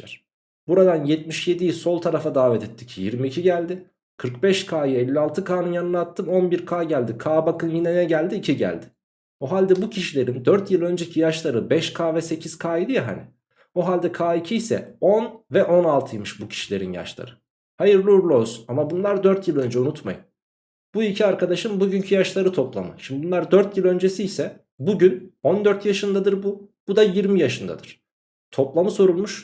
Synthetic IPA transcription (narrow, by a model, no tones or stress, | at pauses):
æɾ̥ | buɾad̪anjɛt̪̚miʃje̞d̪ijso̞lˠt̪ʰaɾafad̪aːvɛt̪ʰɛt̪ʰːi̥cʰijiɾmiːcʰiɟælʲd̪ɪ | kʰɯɾkbɛʃkʰaːjɯɛlʲːialˠt̪ʰɯkʰaːnɯnjanɯnːˠat̪ʰːɯmo̞nbiɾkʰaːɟælʲd̪ikʰaːbakɯnjinɛnɛɟælʲd̪iːcʰiɟæ̰lʲd̪ɪ̥ | oɦalʲd̪ɛbucʰiʃilʲe̞ɾind̪øɾt̪jɯlˠø̞nd͡ʒɛcʰijaʃlˠaɾɯbɛʃkʰaːvɛse̞cʰiz̥kʰaːjid̪ɯjaɦa̰nɪ | oɦalʲd̪ɛkʰaːicʰijsɛ̰o̞nvɛʔo̞nalˠt̪ʰɯjmɯʃbucʰi̥ʃilʲe̞ɾḭnja̰ʃlˠa̰ɾɯ | hajɯɾlʲˠuuɾlˠozunamabunlˠaɾd̪øɾt̪jɯlˠø̞nd͡ʒɛunut̪ma̰jɯn | b̥uicʰiaɾkʰad̪aʃɯmbuɟyncʰyjaʃlˠaɾɯt̪ʰo̞plˠa̰mɯ̰ʃimd̪ibunlˠaɾd̪øɾt̪jilˠø̞nd͡ʒesijsɛ | buɟyno̞nd̪øɾt̪jaʃɯnd̪ad̪ɯɾbub̥ud̪ajiɾmijaʃɯnd̪a̰d̪ɯɾ̥ | t̪ʰo̞plˠamɯso̞ɾulˠmuʃ